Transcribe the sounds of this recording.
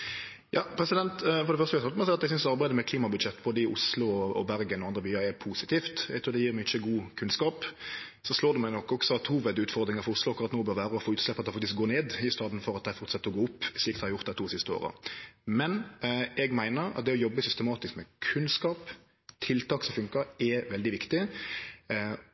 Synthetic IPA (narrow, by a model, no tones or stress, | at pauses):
jɑːpʰɾɛsɪd̪ɛnt̪fɔɾd̪ɛfœɾst̪ʋæshɑlmɛsæɪɑt̪ɛɡsʏnsd̪ɑɾbæɪd̪əmɛkʰliːmɑbʉd̪ʃɛt̪ːbɔd̪ɪʔʊslʊɔɔbæɾɡənɔɑnd̪ɾəbyːɑɾɛpʰuːsɪt̪ʰiːft̪ɛɡt̪ʰɾuːd̪ɛjiːɾmɛɡɪçːəɡuːkʰʉnskɑːp | sɔsloːd̪ɛmænɔkːɔksɔɑt̪ʰhuːʋɛd̪ʉːt̪fɔɾd̪ɾɪŋəɾfɔɾʊslʊɑkːʊɾɑt̪noːbøːɾʋæːɾəɔfoːʉːt̪slɛpːɑt̪d̪ɛɪfɑk̚t̪ɪsk̚ɡoːneːd̪ɪst̪ɑːd̪n̩fɔɾɑt̪̚d̪æɪfɔɾt̪sɑt̪ːəɾɔɡoːʊpːsliːkd̪hɑɾjʊɾt̪d̪ɛt̪ʰuːsɪst̪əo̰ːɾə̰mɛnɛɡmæɪnəɾɑ̰t̪̚d̪ɛɔjɔbːəsʏst̪əmɑːt̪ɪskmɛkʰʉnskɑːp | t̪ʰɪlt̪ʰɑːksɔmfʉŋkəɾɛʋɛld̪ɪʋɪkt̪ɪ